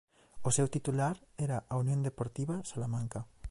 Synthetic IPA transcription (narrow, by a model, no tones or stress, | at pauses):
osewt̪it̪ulaɾeɾaʔaunjõnd̪epoɾt̪iβasalamãŋka